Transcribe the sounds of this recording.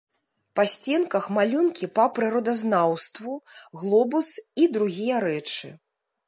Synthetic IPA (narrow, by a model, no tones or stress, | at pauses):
pasʲt͡sʲɛnkɐxmalʲunkʲipɐpɾɨɾɔd̪ɐznawst̪vuɣlˠɔbusid̪ɾuɣʲijɐɾɛt͡ʂɨ̰